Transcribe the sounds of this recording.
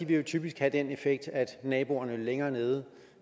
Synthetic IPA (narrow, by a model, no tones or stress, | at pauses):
iʋe̝jo̝t͡sʰyb̥isɡ̥hæd̥ene̝feɡ̥̚d̥æd̥nɛːb̥o̝ɐnəleŋɐːne̝ːð̞ˠ